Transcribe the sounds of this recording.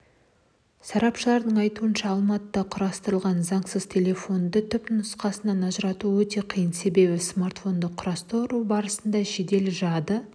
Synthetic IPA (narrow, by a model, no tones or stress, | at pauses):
sɑɾɑpʃəlˠɑɾd̪əɴɑjt̪uənʃɑːlˠmɑt̪əd̪ɑqʰʊɾɑst̪əɾəlˠʁɑnzɑɴsəz̥t̪ʲʰe̞lʲe̞fo̞nd̪ət̪ʰʏpnʊsqɑsənɑnɑʒəɾɑt̪uwɵt̪e̞qʰijənse̞be̞βɪsmart̪fo̞nd̪əqʰʊɾɑst̪owɾubɑɾəsənd̪ɑʃed̪e̞lʒɑd̪ə